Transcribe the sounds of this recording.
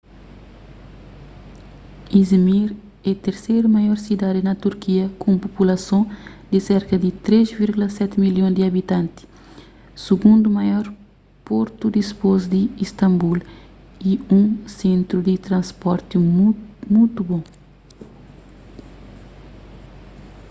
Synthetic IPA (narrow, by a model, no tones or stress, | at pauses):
izmiɾ | ɛt̪eɾsejɾumajɔɾsid̪ad̪inɐt̪uɾkiɐkũmpopulɐsõd̪iseɾkɐd̪it̪ɾezviɾɡulɐsɛt̪miljõnd̪iɐbit̪ãnt̪i̥ | suɡũnd̪umajɔɾ | poɾt̪ud̪ispozd̪iist̪ɐ̃mbul | iũsẽnt̪ɾud̪it̪ɾɐ̃nspɔɾt̪imult̪ubõ